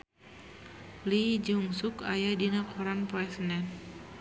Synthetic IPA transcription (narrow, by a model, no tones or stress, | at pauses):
lid͡ʒuŋsukajadinakʰuɾanpɔɛsnɛn